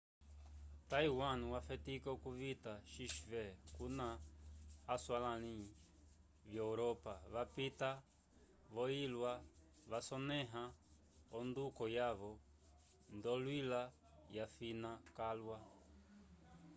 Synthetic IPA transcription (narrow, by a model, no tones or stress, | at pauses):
taiwanwafɛtikakuvitaʃiʃivɛkunaː | swalani | vjauɾɔpaβapita | βɔilwa | ʋasɔnɛɦa | ɔndukɔjaβɔ | ndɔlwila | jafinakalwa